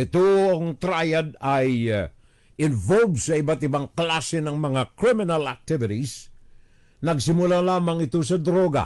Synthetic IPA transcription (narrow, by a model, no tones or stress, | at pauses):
ʔɪt̪oɐŋt̪ɾajad̪̚aj | ɪnvolbsɐɪbat̪ɪbaŋklasɛnɐŋmɐŋakɾɪmɪnalɐk̚t̪ɪvɪt̪is | nɐɡsɪmʊlalaːmɐŋɪt̪os̬ɐd̪ɾoɡa̰